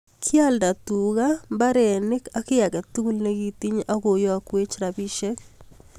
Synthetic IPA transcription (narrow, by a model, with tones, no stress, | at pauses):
kʰja˦lda˨tuɣamba˦ɾɛ˨nɪ˦ka˦kɪ˦ja˨kɛ˨tu˦ku˦lne˦ɡi˦ti˦ɲa˦ko˨jɔ˦a˦kwe˦t͡ʃɾabi˦ʃɛ˦k̚